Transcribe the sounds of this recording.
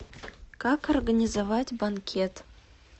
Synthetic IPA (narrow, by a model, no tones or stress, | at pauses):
kakorɡanʲizɐvatʲbankʲʰet̪